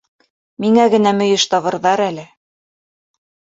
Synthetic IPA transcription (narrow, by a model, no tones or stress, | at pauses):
miŋæɡɘ̆næmɵ̆jɘʃt̪ɑβɤ̆ɾðɑɾælɘ